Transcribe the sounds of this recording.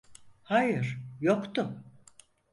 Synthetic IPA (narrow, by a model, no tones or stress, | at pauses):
hajɯɾ̥jokt̪ʊ